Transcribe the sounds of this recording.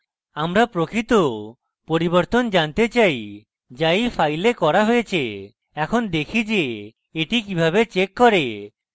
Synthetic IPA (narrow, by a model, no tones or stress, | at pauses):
amɾapɾokit̪o | poɾibɔɾt̪ɔnd͡ʒant̪et͡ʃaj | d͡ʒajpʰajlekɔɾaɦojet͡ʃʰe | ɛkʰɔnd̪ekʰid͡ʒe | eʈikibʱabet͡ʃekːɔɾe